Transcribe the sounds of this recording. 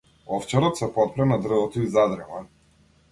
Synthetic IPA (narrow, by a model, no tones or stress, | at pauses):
ɔft͡ʃɛɾɔt̪sɛpɔt̪̚pɾɛnad̪r̩vɔt̪ɔizad̪ɾɛva